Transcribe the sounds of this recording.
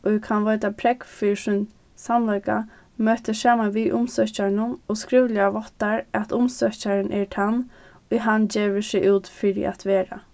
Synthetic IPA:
ʔoikʰanʋœːt̪apʰɾɛkfisʊn | samlajka̰ | møːt̪əsaːmanʋiʔʊmsœhcaɳʊnɔːskɾiːʋlɪaʋɔt̪ːaɹat̪ʊmsœcaɾənʔɛʈʰan | ʊɦand͡ʑeːʋəsɪʔuːt̪fɪɾɪ̰ʔa̰t̪ʋeːɾa̰

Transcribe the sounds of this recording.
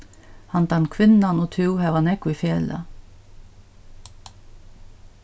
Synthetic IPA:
hɑnt̪ɑnkʰʋɪnɑnoːt̪ʰʉwhæʋɑnɛkʊiːfeːlə̰

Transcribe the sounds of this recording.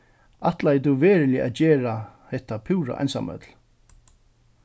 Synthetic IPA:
aht̪lajt̪̬uʋeːɾɪlɪʔa̰ðt͡ɕɛːɾahɛht̪apʰuːɾa̰ʔa̰jnsa̰mœ̰t̪l

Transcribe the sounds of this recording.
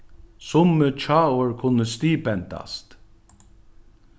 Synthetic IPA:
sʊmət͡ʃʰɑːʊɹkʰʊnːəst̪iːpɛnt̪a̰st̪

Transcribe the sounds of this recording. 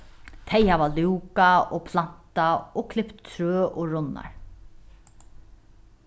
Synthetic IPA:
t̪ʰɛjhaʋaluwkaopʰlan̥t̪aoːkʰlɪpt̪ʰːɾøːʔoɹʊnːa̰ɹ

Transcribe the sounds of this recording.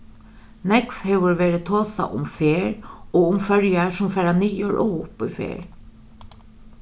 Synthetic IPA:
nɛkfhɛʋʊɹʋeːɾɪt̪ʰoːsa̰ʔʊ̰mfeːɹɔːʊmfœɹjasʊmfɛːɾaniːəɹʔɔʊpifḛːɹ

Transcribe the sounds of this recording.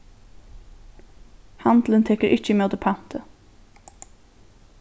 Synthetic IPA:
hɑnd̪lənt̪ʰɛkəɾʔɪc͡çəmeoːd̪əpʰɑnt̪ʰə

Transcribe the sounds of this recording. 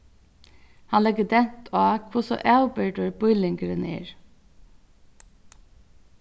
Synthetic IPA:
hɑnlɛɡəd̪ɛnt̪ʰoɑːkʰʋʊsɔ̰ʔælbəɖəɹb̥ʊʏlɪŋɡəɾənḛːɹ

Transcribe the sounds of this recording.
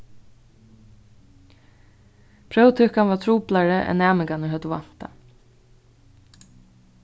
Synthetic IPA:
pʰɾœwt̪ʰʏkanvaːt̪ʰɾuːplaɹəʔɛ̰nːæːmɪŋkanəɦœt̪ʊva̰n̥t̪a̰

